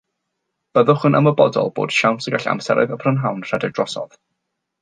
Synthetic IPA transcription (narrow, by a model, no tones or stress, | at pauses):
b̥əðʊχənʔaməbɔdɔ̰lˠbo̰ːd̥ʃawntʰəɡaɬa̰msɛ̰ɾɛ̰ðəpʰrənɦawnr̥adɪdrɔsɔ̰ð